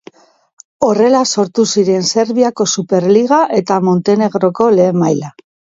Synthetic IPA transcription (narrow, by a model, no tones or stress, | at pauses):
o̞re̞laso̞ɾt̪usiɾe̞nse̞ɾβiako̞supe̞ɾliɣaʔe̞t̪amo̞nt̪e̞ne̞ɣ̞ɾo̞ko̞le̞ːmajla